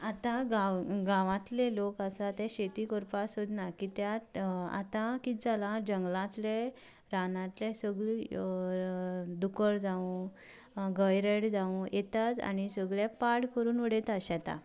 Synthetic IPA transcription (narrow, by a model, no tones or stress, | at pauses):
at̪ãɡaɡãʋãt̪lelokasat̪ẽɕet̪ikɔɾpasod̪nakit̪jat̪a̰t̪ãkid͡zalad͡ʑəŋɡlãt̪le | ɾanãt̪lɛsəɡɭi | d̪ukəɾd͡zaũ | ɡəjɾeɽd͡zaũjʔet̪at͡sa̰nisəɡɭɛpaɽkəɾuːnʋəɽet̪aɕat̪a̰